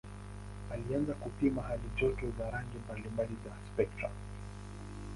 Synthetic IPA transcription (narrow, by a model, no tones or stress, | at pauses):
alianzakupimahalid͡ʒɔtɔzaɾaŋɡɛmbalimbalizaspɛk̚tɾa̰